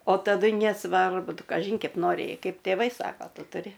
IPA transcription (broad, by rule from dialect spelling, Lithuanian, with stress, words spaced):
oː tɐˈdʊ nʲɛsˈʋɐrbʊ ˈtʊ kɐˈʒʲiːn kʲɛp ˈnoːrʲɪ ˈkʲɛɪp tʲeːˈʋɐɪ ˈsɑːkoː ˈtʊ tʊˈrʲɪ